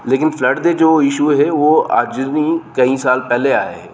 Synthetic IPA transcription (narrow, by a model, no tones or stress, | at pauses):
leːkɪnfʰləɖd̪ed͡ʒoːɪʃuɦɛʋoa̰ːd͡ʒnikɐĩsaːlpɛɦleaːḛɦɛ̰ː